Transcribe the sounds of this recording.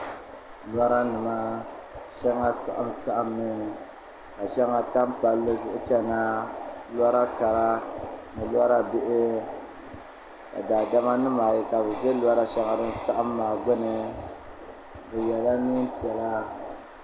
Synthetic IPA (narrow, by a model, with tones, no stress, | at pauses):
lwa˦ɾa˦nɨ˨ma˦ʃɛ˦ŋa˦sa̰˦ʔa˨m˦sa˦ʔa˦mːɨ˨ | ka˨ʃɛ˦ŋa˨ta˦mpa˨lːɨ˦zʊ˦ʔʊ˦t͡ʃɛ˦ŋa˦la˦ɾa˦ka˨ɾa˦nɨ˨la˦ɾa˦be˦ʔɪ˦ | ka̰˨daː˨da˦ma˦nɨ˦maː˨ji˨ka˨bɨ˨zɛ˦la˦ɾa˦ʃɛ˦ŋa˨dɨ˦n˦sa˦ʔa˦mːaː˨ɡ͡bʊ˦nɨ˨ | bɨ˨jɛ˨la˦ni˦n˦ti˨ɛ˨la˦